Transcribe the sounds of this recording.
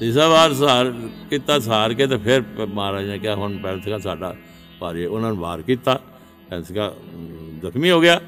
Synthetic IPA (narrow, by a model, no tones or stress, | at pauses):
t̪ɪsaːbaːɾsaːɾkiːt̪aːsaːɾkeːt̪̬eːpʰɪɾmaːɾaːd͡ʒnẽːkɪaːɦʊnpɛːnt̪ʰəkãːsaːɖa̰ː | paːɾeʊnãːñbaːɾkiːt̪aː | pɛ̃ːnsəkaːd̪əkʰmiːɦoːɡɪjaː